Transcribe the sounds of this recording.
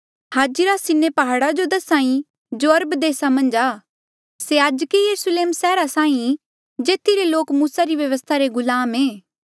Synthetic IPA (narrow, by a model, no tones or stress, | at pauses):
haːd͡ʒiɾasɪnːepɐɦaːɽad͡ʒod̪ɐsãːĩ | d͡ʒoɐɾbd̪eːsamɐ̃nd͡ʒaː | seːaːd͡ʒkijɐɾʊsleːmsɛːɾasãːĩ | d͡ʒeːt̪ʰiɾeloːkmuːsaɾiʋjɐʋəst̪ʰaɾeɡʊlaːmeː